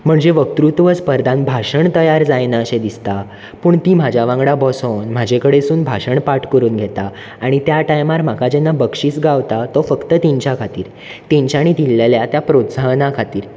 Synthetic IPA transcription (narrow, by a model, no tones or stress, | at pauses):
m̤əɳd͡zeʋək̚t̪ɾut̪ʋəspəɾd̪ʱãnbʱaʂəɳt̪əjaɾd͡zajnaəɕẽd̪ist̪a | puːɳt̪iːm̤ad͡ʑʱaʋãŋɡɽabɔsonm̤ad͡ʑekəɽesuːnbʱaɕəɳpaʈkəɾuːnɡʱet̪aː | ɽ̃it̪jaʈajmaɾm̤akad͡ʑɛnːabəkʂiːt͡sɡaʋt̪at̪ɔfəkt̪ət̪iɲt͡ɕakʰat̪iːɾ | t̪ẽɲt͡ɕaɽ̃it̪ilːeljat̪japɾot̪sanakʰat̪iːɾ